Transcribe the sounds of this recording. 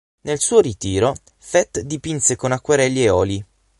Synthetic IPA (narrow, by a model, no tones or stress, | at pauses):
nelsuːoɾit̪iːɾo | fɛt̪ːd̪ipinsekonakːweɾɛlːieɔːli